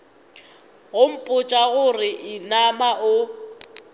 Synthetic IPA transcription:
ɣʊm̩pʼʊt͡ʃʼaɣʊrɪʔɪnamaʔʊ

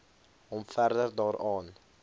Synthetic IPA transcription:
ɦɔmfærdərdɑːɾɑːn

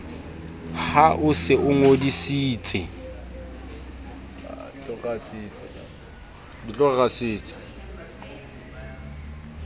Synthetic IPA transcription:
haʔʊsɪʔʊŋodisiːt͡sʼɪ̰ | t͡ɬɔɣasit͡sʼ | dit͡ɬʼɔɣasiːt͡sʼɪ̥

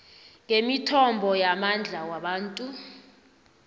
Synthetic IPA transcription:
ŋemitʰɔmbʱɔjamand͡ɮʱawaɓaːntʼu

